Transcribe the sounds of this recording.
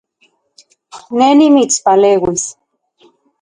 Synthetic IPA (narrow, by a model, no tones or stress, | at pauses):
nenimit͡spaleːwis